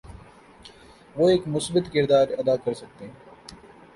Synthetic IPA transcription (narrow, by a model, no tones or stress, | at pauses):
ʋoːeːkmʊsbɪt̪kɪɾd̪aːɾɐd̪aːkɐɾsɐk̚t̪e